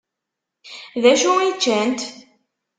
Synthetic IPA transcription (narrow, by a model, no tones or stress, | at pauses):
ðæʃuit͡ʃːænt̪